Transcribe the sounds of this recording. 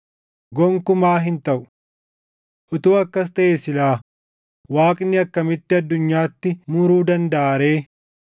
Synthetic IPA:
ɡɔŋkʊmaːɦɪnt̪ɐʔʊ̥ | ʔʊt̪uːɐkːɐs̬t̪ɐʔeːsɪlaː | waːkʼnːɪɐkːɐmɪt̪ːɪɐd̪ːʊɲːaːt̪ːɪmʊɾuːd̪ɐnd̪ɐːɾe̞ː

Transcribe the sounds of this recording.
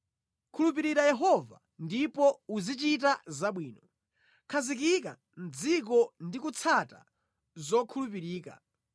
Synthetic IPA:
kʰulup̬iɾiɾajɛɦɔva̰ | ndipɔuzit͡ʃitazaɓwiːnɔ | kʰazik̬ika | n̩d͡zik̬ɔndikut͡sʰata̰ | zɔkʰulup̬iɾiːka̰

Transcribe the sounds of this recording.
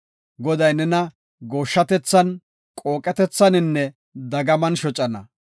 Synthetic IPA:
ɡɔd̪ɐjnɛnɐ | ɡo̞ːʃːɐt̪ɛt͡sːɐn | kʼo̞ːkʼɛt̪ɛt͡sːɐnɪnːɛ | d̪ɐɡɐmɐnʃɔt͡ʃʼɐnɐ̰

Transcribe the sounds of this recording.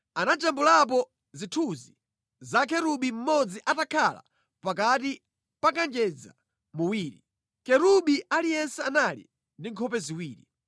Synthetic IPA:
anad͡ʒambulap̬ɔ | zitʰuzi | zakɛɾuɓim̩mɔd͡ziʔatakʰala̰ | pakati | pakand͡ʒɛd͡za̰ | muwiːɾi | kɛɾuɓiʔalijɛnsɛanalḭ | ndiŋkʰɔpɛziwiːɾi

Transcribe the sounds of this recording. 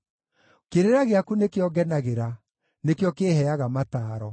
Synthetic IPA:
keɾeɾaɣeakunekeɔɡɛnaɣeɾa | nekjɔkeːhɛaɣamataːɾɔ

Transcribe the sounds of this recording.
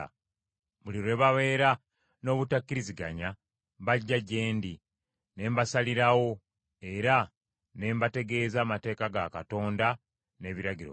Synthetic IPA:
βuliɾe̞ːβaβe̞ːɾa | no̞ːβutakːiɾiziɡa̰ɲa | βaɟːaɟe̞ːndi | ne̞ːmbasaliɾawo̞ | e̞ɾa | ne̞ːmbate̞ɡe̞ːzaːmate̞ːkaɡakato̞ːnda | ne̞ːβiɾaɟiɾo̰

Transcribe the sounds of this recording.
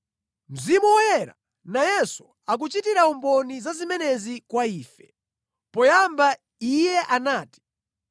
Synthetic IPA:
m̩zimuwɔjɛɾa̰ | najɛsu̥ | ak̬ut͡ʃitiɾaɔmbɔnizazimɛnɛzikwaiːfɛ | pɔjamba | ijɛʔanaːti̥

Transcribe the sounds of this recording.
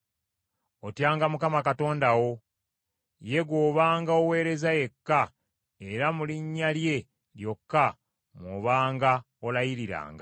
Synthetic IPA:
otjaːŋɡamukamakato̞ːndawo̞ | je̞ɡwoːβaːŋɡaowe̞ːɾe̞zaje̞kːa | eɾamuliɲːalje̞ | ljo̞kːa | mwoːβaːŋɡa | olajiɾiɾa̰ːŋɡa

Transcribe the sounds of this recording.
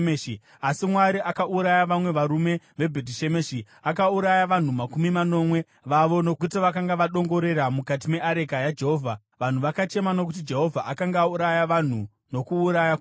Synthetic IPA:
ei | asimwaɾiʔakaʔuɾajaʋamwe̞ʋaɾume̞ | ʋe̞bʱetiʃe̞meːʃi | akauɾajaʋan̤umakumimano̞mwe̞ | ʋaʋo̞no̞kutiʋakaŋɡaʋaɗo̞ŋɡo̞ɾe̞ɾamukat̬ime̞ʔaɾe̞kajad͡ʒeɦo̞ːvʱa | ʋan̤uʋakat͡ʃe̞mano̞k̬ut̬id͡ʒe̞ɦo̞vʱaʔakaŋɡauɾajaʋan̤u | no̞kuːɾajak

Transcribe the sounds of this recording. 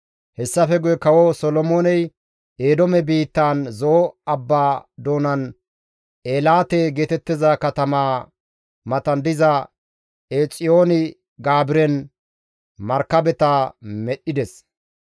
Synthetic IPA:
hɛsːɐfɛɡʊjɛkɐwɔsɔlɔmoːnɛj | eːd̪ɔmɛbiːt̪ːaːnzoːɐbːaːd̪o̞ːnɐn | eːlaːt̪eːɡeːt̪ɛt̪ːɪzɐkɐt̪ɐmaː | mɐt̪ɐnd̪ɪzɐ | eːt͡sʼɪjoːnɪ | ɡaːbɪɾɛn | mɐɾkːɐbɛt̪amɛɗɪd̪ɛs

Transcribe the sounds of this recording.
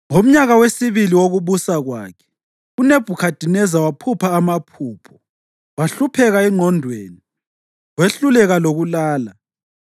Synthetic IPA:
ŋom̩ɲaɣawesiβiliwoɣuβusaɣwa̰ːkʰɛ̥ | uneb̥ʱukʰad̥ʱinɛzawapʰupʰaːmapʰuːpʰɔ̥ | waɬupʰɛɣaɛŋ͡ǃʱɔndʱweːni | weɬulɛɣaloɣulaːla

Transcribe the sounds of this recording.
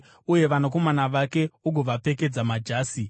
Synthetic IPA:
uje̞ʋanok̬o̞manaʋake̞uɡʱoʋape̞ke̞d͡zamad͡ʒaːsi

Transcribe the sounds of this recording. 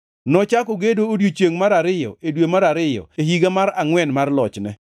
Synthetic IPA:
nɔt͡ʃakoɡedoodjot͡ʃeŋmaɾaɾɪjɔ̰edwemaɾaɾɪjɔ̰ehiɡamaɾaŋwɛnmarlɔt͡ʃnɛ̰

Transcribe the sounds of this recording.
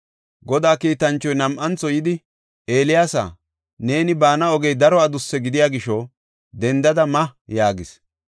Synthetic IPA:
ɡɔd̪aːkiːt̪ɐnt͡ʃːɔjnɐmʔɐnt͡sːɔjɪd̪ɪ | ʔe̞ːlɪjaːsa̰ː | ne̞ːnɪbaːnɐɔɡɛjd̪ɐɾɔad̪ʊsːɛɡɪd̪ɪjaːɡɪʃɔ | d̪ɛnd̪ɐd̪ɐmɐjaːɡɪs

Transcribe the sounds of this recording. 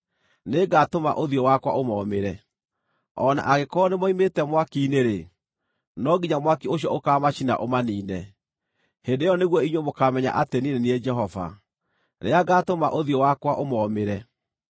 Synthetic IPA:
neɡatoma̰ʔoðiɔwakwaʔomɔːmeɾɛ | ɔna̰ʔaɣekɔnemɔimetɛmwakineɾe | nɔɡiɲamwakioɕiɔokaːmaɕina̰ʔomaniːnɛ | hendejɔneɣwɔiɲwemokamɛɲa̰ʔatenineniɛd͡ʒɛɦɔva̰ | ɾḛaɡaːtoma̰ʔoðiɔwakwaʔomɔmeɾɛ

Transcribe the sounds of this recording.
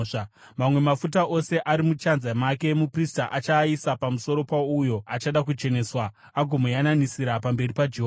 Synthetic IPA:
ʂa | mamwe̞mafutaʔo̞se̞ʔaɾimut͡ʃanzamake̞mupristaʔat͡ʃaisapamuso̞ɾo̞paujo̞at͡ʃaɗak̬ut͡ʃe̞ne̞ːswa | aɡʱomojananisiɾapambe̞ripad͡ʒeɦo

